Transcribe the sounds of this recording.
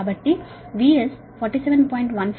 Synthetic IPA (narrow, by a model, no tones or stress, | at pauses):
bɐʈːi | ʋiːes | fɔːɾʈisɛʋə̃npɔ̃ːɪ̃ɳʈʋɐ̃nf